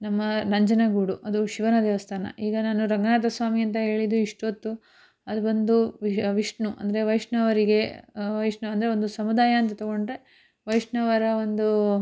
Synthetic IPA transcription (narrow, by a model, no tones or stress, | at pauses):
nɐmːɐnɐɲd͡ʒɐnɐɡuːɽuʔɐd̪uʃiʋɐnɐd̪ɛːʋɐst̪ʰaːnɐ̰ʔiːɡɐnaːnuɾɐŋɡɐnaːt̪ɐsʋaːmiɐnt̪̬ɐɦe̞ːɭid̪uiʂʈot̪ːu | ɐd̪ubɐnd̪uʋʋiʂɳuʔɐ̰nd̪ɐɾe̞ʋɐjʂɳɐʋɐɾiɡe̞ʋɐjʂɳuɐnd̪ɐɾeo̞nd̪usɐmud̪aːjɐːnt̪̬ɐt̪ɐɡo̞ɳɖɾe̞ | ʋɐjʂɳɐʋɐɾɐo̞nd̪u